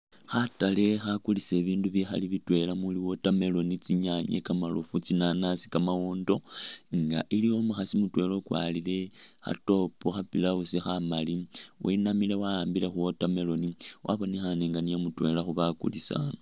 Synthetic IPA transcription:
xatale̞xakulise̞βiːnduβjixa̰liβitwe̞lamuliwo̞tame̞lo̞nit͡siɲaɲḛkamalofut͡sinanasi̥kamawoːndo̞ŋɡa̰ʔilijo̞muxasimutwe̞lo̞kwa̰lile̞xa̰to̞poxapilausixamaliwʔainamile̞waaːmbile̞xuwotame̞lo̞niwʔa̰βo̞nixaneŋɡanijamutwe̞laxuβakṵlisa̰no

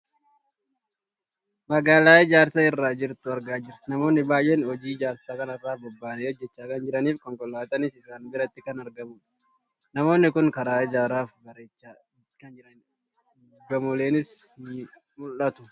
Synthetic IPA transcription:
mɐɡaːlaːɪd͡ʒaːɾsaːɪrːaːd͡ʒɪɾt̪ʊɐɾɡaːd͡ʒɪɾt̪nɐmo̞ːnːɪbaːjʔeːnhɔd͡ʒiːd͡ʒaːɾsaːkɐnɐrːaːbɔbːaːneːɔd͡ʒːɛt͡ʃːaːkɐnd͡ʒɪɾɐniːfkɔŋkɔlːaːt̪ɐnɪsɪsaːnbɪɾɐt̪ːɪkɐnɐɾɡɐmʊ̥ | nɐmo̞ːnːɪkʊnkɐɾaːɪd͡ʒaːɾaːfbɐɾeːt͡ʃːa | kɐnd͡ʒɪɾɐn | ɡɐmʊleːnɪsnɪ | mʊlʔɐt̪ʊ̥

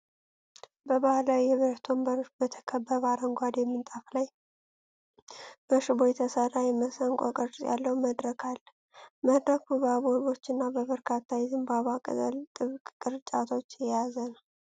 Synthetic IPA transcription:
bəbahlawijɛβəɾt̪ʰo̞mbəɾʃbət̪ʰə̥kʰəbːəβaɾəŋɡʷad̪emːɨnt̪ʼaflaj | b̥əʃɨbo̞jɛt̪ʰəsərːajɛməsəŋkʷʼo̰kʼəɾsʼja̰lːəwuməd̪ɾəkʰal | məd̪ɾəkʰubaβoɾβo̞t͡ʃːɨnːabəβəɾkʰat̪ʰːajɛzɨmbaβakʼə̰zə̰lt̪ʼɨβkʼkʼɨɾt͡ʃʼat̪ʰo̞t͡ʃːjɛjazənəw

